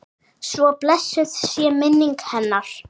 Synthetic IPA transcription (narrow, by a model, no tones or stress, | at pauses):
svɔplɛsːʏθsjɛmɪnːiŋkhɛnːaɾ̥